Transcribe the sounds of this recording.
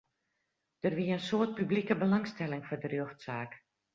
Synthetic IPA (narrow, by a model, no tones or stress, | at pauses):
d̥ərʋiəənsoərt̚pyblikəbəlɑŋstɛlɪŋfɔdərjøxtsaːk